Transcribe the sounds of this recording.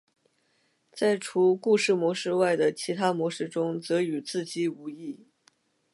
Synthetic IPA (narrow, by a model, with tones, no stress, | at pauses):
t͡sa˥˩ɪʈ͡ʂʰu˧˥ku˥˧ʂɻ̩˥˩mwɔ˧˥ʂɻ̩˥˧wa˥˩ɪd̪ə˩t͡ɕʰi˧˥t̪ʰa˥mwɔ˧˥ʂɻ̩˥˩ʈ͡ʂʊ˥ŋt͡sɤ˧˥y˨˩t͡sɹ̩˥˩t͡ɕi˥˩u˧˥i˥˩